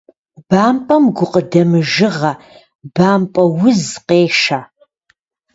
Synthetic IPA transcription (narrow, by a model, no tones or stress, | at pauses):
b̥aːmpʼɐmɡʷʊqʼədɐmɨʒɨʁɐ | baːmpʼɐwʊzqeːʃaː